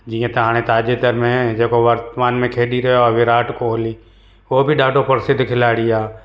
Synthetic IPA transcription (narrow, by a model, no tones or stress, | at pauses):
d͡ʒiːjãt̪ɐɦãːɽ̃ẽt̪aːd͡ʒed̪əɾmẽd͡ʒeːkoʋəɾt̪əmaːnmẽkʰeːɗiɾɐɦɔːɾʋɪɾaːʈkoɦliː | oːbʱiɖaːɖopəɾɪsɪd̪ʱːkʰɪlaːɽijaː